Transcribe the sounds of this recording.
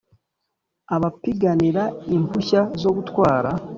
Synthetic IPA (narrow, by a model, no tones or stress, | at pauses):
aβapiɡaniɾaimpuçazo̞ɡutwaːɾa